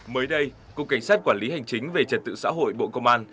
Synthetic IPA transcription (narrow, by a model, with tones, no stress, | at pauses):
məː˨˦jɗə˧j | ko˧ka˧˩ŋ̟saː˦˥t̚kwaː˧˩nli˨˦ha˨˩jŋ̟t͡ɕï˨˦ŋ̟ve˨˩t͡ɕə˨˩t̚t̪ɨ̰˧˨sa̰ː˧˥ɦo̰˧˨jɓo̰˧˨kə˧mʔaː˧n